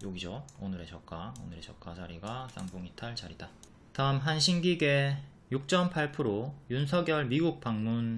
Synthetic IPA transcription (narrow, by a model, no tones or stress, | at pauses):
joɡid͡ʑoonɯɾe̞t͡ɕʌk͈ao̰nɯɾe̞t͡ɕʌk͈at͡ɕaɾiɡas͈ʰa̰ŋbuŋitʰaɭt͡ɕaɾida | taɯmɦanɕʰinɡiɡe̞ | juk̚t͡ɕ͈ʌmpʰaɭpʰɯɾojunsʰʌɡjʌɭmiɡuk̚p͈aŋmun